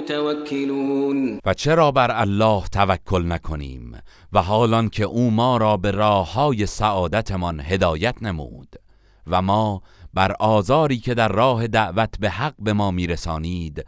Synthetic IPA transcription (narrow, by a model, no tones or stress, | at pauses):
t̪ʰawakʰːɪluːnvæt͡ʃʰe̞ɾɒːbæɾælːɒːht̪ʰævækʰːo̞lnækʰo̞nḭːm | væɦɒːlɒncʰe̞ʔuːmɒːɾɒːbe̞ɾɒːhːɒːje̞sæʔɒːd̪æt̪ʰemɒnhe̞d̪ɒːjæt̪ʰnemṵːd̪̥ | væmɒːbæɾʔɒːzɒːɾiːcʰe̞d̪æɾːɒːɦe̞d̪æʔvæt̪ʰbe̞hæɡ̚be̞mɒːmiːɾesɒːniːd̪